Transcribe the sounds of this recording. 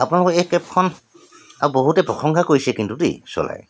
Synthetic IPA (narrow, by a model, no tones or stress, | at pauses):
apunalʊkɔɛkːɛp̚kʰɔn | aboɦutɛpɹɔxɔŋkʰakojsɛkintudḭsɔ̰la̰j